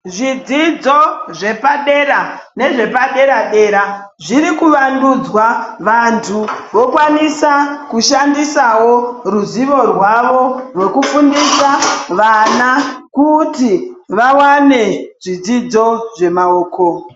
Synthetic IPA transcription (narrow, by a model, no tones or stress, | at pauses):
ʐid͡zid͡zo̞ʐe̞paɗe̞ɾane̞ʐe̞paɗe̞ɾaɗe̞ːɾa | ʐirikuʋandud͡zwaʋantʰuʋo̞kwanisakuʃandisawo̞ruziʋo̞rwaʋo̞rwe̞kufundisaʋanakutiʋawane̞ʐid͡zid͡zo̞ʐe̞maoːko